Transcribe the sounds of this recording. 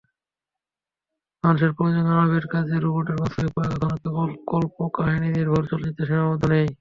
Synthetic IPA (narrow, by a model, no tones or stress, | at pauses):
manʃ̬eɾpoɾid͡ʑonaɾabeɾkad͡ʑʰeɾuboɾʈeɾkasʰoepɔekakʰɔnakebolkolpokaɦininiɾbʱoɾt͡ɕoled͡ʑit̪ːeʃimabɔd̪ʱonej